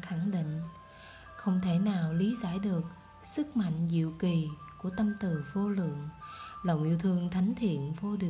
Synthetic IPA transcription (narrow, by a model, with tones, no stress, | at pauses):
xa˧˩ŋɗḭ˧˨ŋ̟ | xə˧wŋ͡mt̪ʰe˧˩naː˨˩wli˨˦zaː˧˩jɗɨ˨˩ək̚ | sɨ˦˥k̚ma̰˧˨jŋ̟zḭ˧˨əwki˨˩ku˧˩ət̪ə˧mt̪ɨ˨˩vo˧lɨ̰˧˨əŋlə̰˧˨wŋ͡mʔḭ˧əwt̪ʰɨ˧əŋt̪ʰa˨˦jŋ̟t̪ʰḭ˧˨ənvo˧ɗɨ˨˩